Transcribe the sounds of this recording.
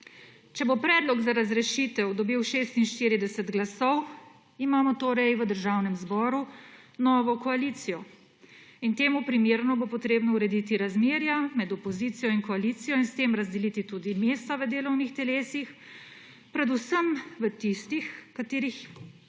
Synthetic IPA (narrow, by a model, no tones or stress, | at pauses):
t͡ʃɛbopɾɛːd̪lɔɡzaɾazɾɛʃit̪ɛwd̪ɔbiwʃeːst̪inʃt̪iɾid̪ɛsɛd̪ɡlasɔw | imaːmɔt̪oːɾɛjʋəd̪əɾʒawnɛmzbɔːɾu | nɔːʋɔkɔaliːt̪sijɔ | int̪eːmupɾimeːɾnɔbopɔt̪ɾeːbnɔuɾɛd̪it̪iɾazmeːɾjamɛd̪ɔpɔzit̪sijɔinkɔaliːt̪sijɔinst̪emɾazd̪ɛlit̪it̪ud̪imeːst̪aʋəd̪eːlɔwnixt̪ɛleːsix | pɾɛd̪usəmʋət̪ist̪ixkat̪eːɾix